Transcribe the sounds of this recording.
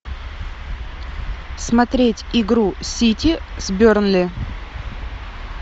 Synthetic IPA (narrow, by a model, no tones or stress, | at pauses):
smɐt̪ɾʲetʲɪɡɾusʲitʲɪzʲbʲornlʲɪ